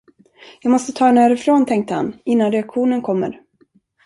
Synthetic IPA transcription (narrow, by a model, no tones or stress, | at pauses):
jɑːɡmɔst̪ət̪ʰɑːnæːɾɪfɾoːnt̪ʰɛŋk̚t̪əha̰nɪnːanɾɛakɧuːnənkʰɔmːə̰ɾ